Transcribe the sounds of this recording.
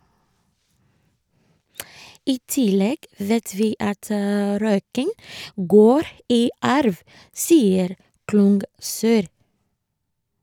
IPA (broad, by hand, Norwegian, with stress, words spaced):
ˈiː ˈtɪlɛɡ ˈʋeːt ˈʋiː ˈɑt ə ˈɾœʏkɪŋ ˈɡoːɾ ˈiː ˈɑɾʋ ˈsiːəɾ ˈklʊŋɡsœɾ